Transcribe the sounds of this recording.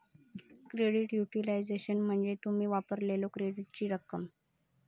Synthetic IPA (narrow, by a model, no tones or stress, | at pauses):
kɾeɽiʈjuʈilajd͡zeɕənm̤əɳd͡zet̪umiːʋapəɾlelokɾeɽiʈ̚t͡ɕiːɾəkəm